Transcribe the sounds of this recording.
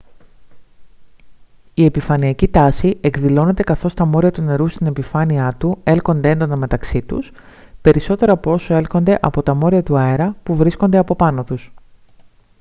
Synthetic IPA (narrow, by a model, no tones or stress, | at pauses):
ie̞pifɐniɐcit̪ɐsiʔe̞kðilo̞ne̞t̪e̞kɐθo̞st̪ɐmo̞ɾiɐt̪une̞ɾust̪ine̞pifɐniɐt̪ue̞lko̞nd̪e̞e̞nd̪o̞nɐme̞t̪ɐksit̪ṵs | pe̞ɾiso̞t̪e̞ɾɐːpoo̞soe̞lko̞nd̪e̞ʔɐpo̞t̪ɐmo̞ɾiɐt̪uɐeɾɐpuvɾisko̞nd̪e̞ɐpo̞pɐno̞t̪us